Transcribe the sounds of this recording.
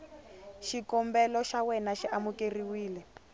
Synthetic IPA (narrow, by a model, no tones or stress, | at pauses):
ʃikɔmbɛlɔʃawɛnaʃiʔamukeriwiːlɛ